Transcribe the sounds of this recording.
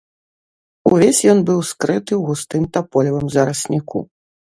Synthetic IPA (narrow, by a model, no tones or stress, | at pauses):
uvʲesʲjɔnbɨwskɾɨt̪ɨwɣust̪ɨmt̪apɔlʲivɨmzɐɾɐsʲnʲikṵ